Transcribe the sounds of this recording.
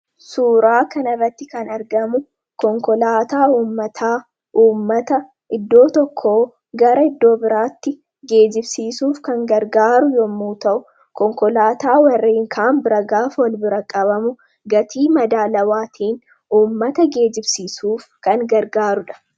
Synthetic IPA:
suːɾaːkɐnɐrːɐt̪ːɪkɐnɐɾɡɐmʊ | kɔŋkɔlaːt̪aːuːmːɐt̪ʰaː | ʔuːmːɐt̪ɐ | ʔɪd̪ːo̞ːt̪ɔkʰːoː | ɡɐɾɐɪd̪ːo̞ːbɪɾaːt̪ːɪ | ɡe̞ːd͡ʒɪbsiːsuːfkɐŋɡɐɾɡaːɾʊjɔmːuːt̪ɐʔʊ | kɔŋkɔlaːt̪aːwɐrːeːŋkʰaːmbɪɾɐɡaːfwɔlbɪɾɐkʼɐβɐmʊ | ɡɐt̪ʰiːmɐd̪aːlɐwaːt̪ʰiːn | uːmːɐt̪ɐɡe̞ːd͡ʒɪbsiːsuːfkɐŋɡɐɾɡaːɾʊᶑɐ̥

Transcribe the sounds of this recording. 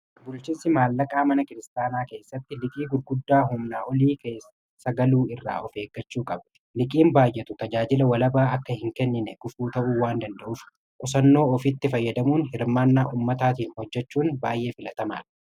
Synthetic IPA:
bʊlt͡ʃinsɪmaːlːɐkʼaːmɐnɐkɪɾɪst̪aːnaːke̞ːsːɐt̪ːɪlɪkʼiːɡʊɾɡʊd̪ːaːɦʊmnaːʔɔliːkeː | sɐɡɐluːɪrːa̰ːʔɔfe̞ːɡːɐt͡ʃːuːkʼɐb | lɪkʼiːmbaːjʔɛt̪ʊt̪ɐd͡ʒaːd͡ʒɪlɐwɐlɐbaːɐkːɐhɪŋkɛnːɪnɛɡʊfuːt̪ɐʔuːwaːnd̪ɐnd̪ɐʔʊf | kʼʊsɐnːo̞ːɔfɪt̪ːɪfɐjːɐd̪ɐmuːnhɪɾmaːnːaːʔuːmːɐt̪aːt̪iːnhɔd͡ʒːɛt͡ʃːuːnbaːjʔe̞ːfɪlɐt̪ɐma̰ːl

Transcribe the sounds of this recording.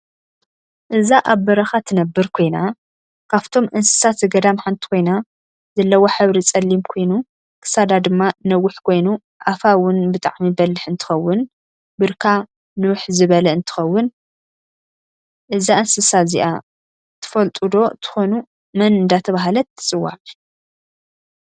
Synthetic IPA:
ʔɨzaʔaβbɐɾɐxat̪ʰɨnɐbːɨɾkʰo̞jna | kʰaβt̪ʰo̞mʔɨnsɨ̥sat̪zɨɡɐd̪amħant̪ʰi̥kʰo̞jna | zɐlːɐwo̞ħɨβɾit͡sʼɐlːimkʰo̞jnu | kʰɨ̥sad̪ad̪ɨmːanɐwːʊħkʰo̞jnu | ʔafawʊnbɨt̪ʼa̰ʕmibɐlːɨħɨnt̪ʰɨ̥xɐwːʊn | bɨɾkʰa | nuwħzɨβɐlɐɨnt̪ʰɨ̥xɐwːʊn | ʔɨzaʔɨnsɨsazḭʔa | t̪ʰɨ̥fɐlt̪ʼud̪o̞t̪ʰɨ̥xo̞nu | mɐnɨnd̪at̪ʰɐβaɦalɐt̪ʰːɨ̥t͡sʼɨwːa̰qʼ

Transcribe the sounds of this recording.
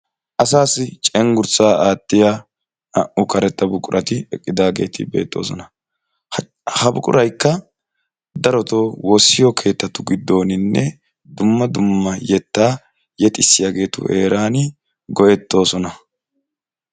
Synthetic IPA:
ʔɐsaːsɪt͡ʃʼɛŋɡʊɾt͡sːaːaːt̪ːɪja | ɐʔʊkɐɾɛt̪ːɐbʊkʼʊɾʔɐt̪ɪɛkʼːɪd̪aːɡe̞ːt̪ɪ̰be̞̰ːt̪ːo̞̰ːsɔnɐ | hɐbʊkʼʊ̰ɾɐjkːɐ | d̪ɐɾɔt̪o̞ːwoːsːɪjɔkʰe̞ːt̪ːɐt̪ʊɡɪd̪ːo̞ːnɪnːɛ | d̪ʊmːɐd̪ʊmːɐjɛt̪ːaː | jɛt̪ʼɪsːɪjaːɡe̞ːt̪ʊ̰ʔeːɾaːnɪ | ɡɔʔɛt̪ːo̞ːsɔnɐ

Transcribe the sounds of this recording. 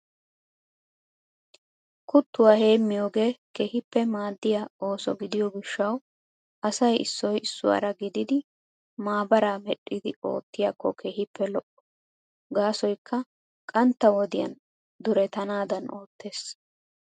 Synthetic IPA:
kʊt̪ːʊwaːhe̞ːmːɪjo̞ːɡe̞ːkehɪpːɛmaːd̪ːɪjao̞ːsɔɡɪd̪ɪjɔɡɪʃːɐw | ʔɐsɐjɪsːɔjɪsːʊwa̰ɾɐɡɪd̪ɪd̪ɪ | maːbɐɾaːmɛɗʼːɪd̪ɪo̞̰ːt̪ːɪjakːɔkʰeːhɪpːɛlɔʔɔ̥ | ɡaːsɔjkʰːɐ | kʼɐnt̪ːɐwɔd̪ɪjɐ̰n | d̪ʊɾɛt̪ɐnaːd̪ɐnʔo̞ːt̪ːe̞ːs

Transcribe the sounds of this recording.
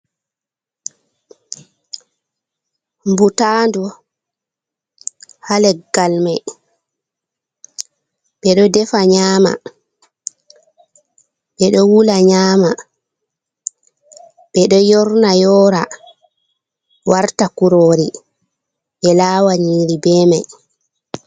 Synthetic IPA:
mbutandu | halɛɡalmaj | ɓɛɗɔdɛfaɲaːma̰ | ɓɛɗɔwulaɲaːma | ɓɛɗɔjɔɾnajɔːɾa | waɾtakuɾoːɾi | ɓɛlaːwaɲiːɾibɛːmaj

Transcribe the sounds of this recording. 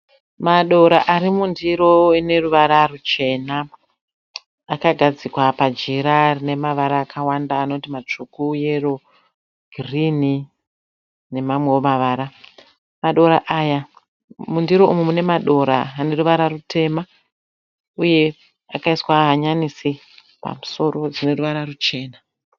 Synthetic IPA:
maɗo̞ɾaʔaɾimundiɾo̞ine̞ruʋaɾarut͡ʃe̞na | kaɡʱad͡zikwapad͡ʒiɾarine̞maʋaɾaːkʰawandaːno̞timat͡ʂukuje̞ro | ɡ̥ʱrini | ne̞mamwe̞womaʋaːɾa | maɗo̞ɾaʔaja | mundiɾo̞ʔumwemune̞maɗo̞ɾa̰ːne̞ruʋaɾarutʰe̞ma | uje̞ | akaiswaɦaɲanisi | pa̰muso̞ro̞d͡zine̞ruʋaɾarut͡ʃe̞ːna

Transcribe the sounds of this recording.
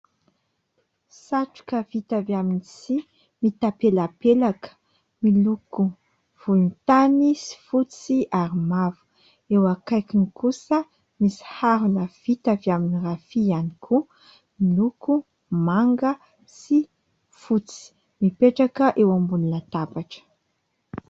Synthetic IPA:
saʈ͡ʂu̥kəvit̪avaminisi | mit̪apelapelakə̥ | miluku | v̥ulunt̪anisi̥fut͡siʔaɾimavu̥ | ewakajkinikusə | misi̥haɾunəv̥it̪avjaminirafianikʰu | miluku | maŋɡə | si | fut͡si̥ | mipeʈ͡ʂakəʔewambulunat̪apaʈ͡ʂə̥

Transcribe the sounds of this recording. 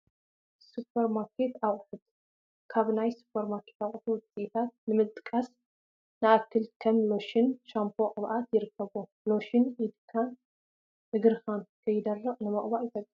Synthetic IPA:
supʰːɐɾmaɾkʰet̪awʼħɨd̪ | kʰaβnajsu̥pʰːɐɾmaɾkʰet̪aχʼħuwʊt͡sʼiʔt̪ʰat̪̚nɨmɨt̪ʼɨkʼːas | nɨʔakːɨlkʰɐmlo̞ʃɪnʃampʰoqʼɨβʔat̪jɪɾɨkʰːɐβo | lo̞ʃɪnɪd̪kʰan | ʔɨɡɨɾxankʰɐjɪd̪ɐrːɐqʼnɨmɐχʼβaʔjɪt̪ʰʼɐkʼː

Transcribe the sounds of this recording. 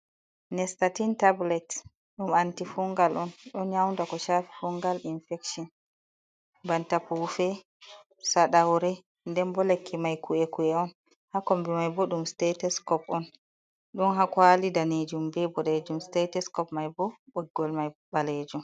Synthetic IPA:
nɛstatintablɛt | ɗumantifuŋɡalʔɔnɗɔnɲawndakɔʃafi̥fuŋɡalinfɛkʃɔn | bantapufɛ | saɗawɾɛ | ndɛnbɔlekʰːimajkuɛkuɛɔn | hakɔmbɛmajbɔɗumstetɛskɔpɔn | ɗɔnhakwalidaned͡ʒumbɛbɔɗed͡ʒumstetɛskɔpmajbɔɓɔɡɔlmajbaled͡ʒum

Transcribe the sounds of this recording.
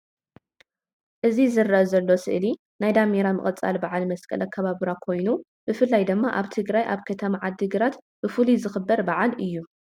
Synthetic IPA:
ʔɨzizɨraʔɐzɐlːo̞sɨ̰ʔli | najd̪ameɾamɨ̰χʼɐt͡sʼa̰lbaʕalmɐskʼɐ̰lɐkʰːɐβaβɾakʰo̞jnu | b̥ɨfɨlːajd̪ɨmːaʔaβt̪ʰɨɡɾajʔaβkʰɐt̪ʰɐmaʕad̪ːɨɡɨɾat̪ | b̥ɨfulizɨxɨbːɐɾbaʕalʔɨjːu

